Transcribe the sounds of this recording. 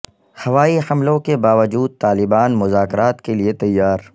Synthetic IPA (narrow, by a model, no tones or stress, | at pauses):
hɐʋaːiħɐmlõkebaːʋəd͡ʒuːd̪̚t̪aːlɪbaːnmʊzaːkɾaːt̪keliet̪ɐjːaːɾ